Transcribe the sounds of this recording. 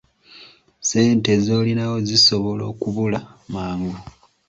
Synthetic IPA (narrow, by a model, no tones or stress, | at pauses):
se̞ːnte̞zo̞ːlinawo̞ziso̞βo̞lo̞ːkuβulamaːŋɡu